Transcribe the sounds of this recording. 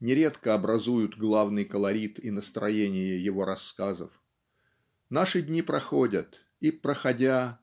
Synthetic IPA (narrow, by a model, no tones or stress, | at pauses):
nʲɪɾʲet̪kəɐbɾɐzujʊt̪ɡlˠavnɨjkəlˠɐɾʲit̪inəst̪ɾɐjenʲɪjəjɪvo̞ɾɐskazə̰f | naʂɨdʲnʲipɾɐxo̞dʲət̪ | ipɾəxɐdʲa